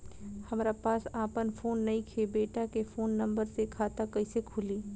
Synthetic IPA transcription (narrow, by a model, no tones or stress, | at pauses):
hɐmːɾapaːsaːpənfʰoːnːɐĩkʰebeːʈakefoːnːɐ̃mbəɾsekʰaːt̪akɐisekʰʊliː